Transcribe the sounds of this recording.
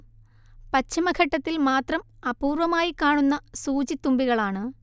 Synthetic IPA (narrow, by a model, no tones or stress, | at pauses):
pɐt͡ɕːimɐɡʰʱɐʈːɐt̪ːilmaːt̪rɐmɐpuːrʋɐmaːjikːaːɳunːɐsuːt͡ɕit̪ːumbiɣɐɭaːɳɨ